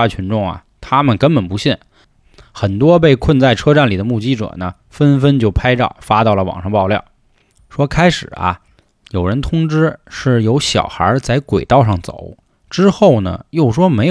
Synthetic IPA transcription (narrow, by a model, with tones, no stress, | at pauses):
a˥t͡ɕʰy˧˥nʈ͡ʂʊ˥˩ŋɐ̰˨˩t̪ʰa˥mə˨nkə˥npə˨˩npu˧˥ɕi˥˩n | xə˨˩nt̪wɔ˥p̬e˥˧ɪkʰwə˥˧nt͡sa˥˩ɪʈ͡ʂʰɤ˥ʈ͡ʂa˥˩nli˨˩d̪ə˦mu˥˩t͡ɕi˥ʈ͡ʂə̰˨˩nə˦ | fə˥nfə˥nt͡ɕjo˥˩ʊpʰa˥ɪʈ͡ʂɑ̰˥˩ʊfa˥t̪ɑ˥˩ʊlə˩wɑ̰˨˩ŋʂɑ˥˧ŋpɑ˥˧ʊljɑ̰˥˩ʊ | ʂwɔ˥kʰa˥ɪʂɻ̩˨˩ɐ̰˧ | jo˨˩ʊɻə˧˥nt̪ʰʊ˥ŋʈ͡ʂɻ̩˥ʂɻ̩˥˩jo˧˥ʊɕjɑ̰˨˩ʊxə̰˞˧˥t͡sa˥˩ɪkwe˨˩ɪt̪ɑ˥˧ʊʂɑ˥˩ŋt͡so̰˨˩˦ʊ | ʈ͡ʂɻ̩˥xo˥˩ʊnə̰˩jo˥˩ʊʂwɔ˥me˧˥ɪ